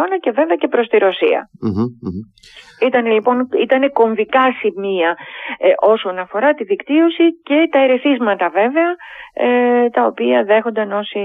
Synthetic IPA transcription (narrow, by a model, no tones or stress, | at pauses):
onɐce̞ve̞veɐce̞pɾo̞st̪iɾo̞sḭɐ̰ | it̪ɐnelipo̞nit̪ɐne̞ko̞ɱvikɐsimiɐʔo̞so̞nɐfo̞ɾɐt̪iðikt̪io̞sice̞t̪ɐeɾeθizmɐt̪ɐve̞ve̞ɐ | t̪ɐo̞piɐðe̞xo̞nd̪ɐno̞si